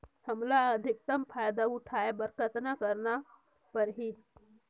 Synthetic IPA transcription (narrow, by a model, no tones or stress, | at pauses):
həmlaəd̪ʱik̚t̪əmpʰajd̪auʈʰaebəɾkət̪nakəɾna | pəɾɦit̪